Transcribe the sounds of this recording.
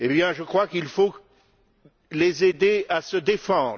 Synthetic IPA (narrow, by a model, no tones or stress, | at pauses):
ebjɛ̃ʒəkχwakilfo | lezed̪easəd̪efɑ̃d̪ʁ